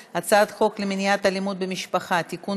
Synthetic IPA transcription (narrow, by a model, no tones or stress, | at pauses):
at͡sad̪χo̞kleminijat̪alimud̪̚bemiʃpaχat̪iku